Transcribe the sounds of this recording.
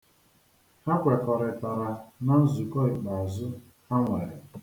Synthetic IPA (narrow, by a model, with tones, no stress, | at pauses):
a˦kʷe˨kɔ˨ɾɪ˨ta˨ɾa˨na˦n̩˦zu˨kɔ˦ɪ˨k͡pa˨a˨zʊ˦ | a˦ŋʷe˨ɾɪ˨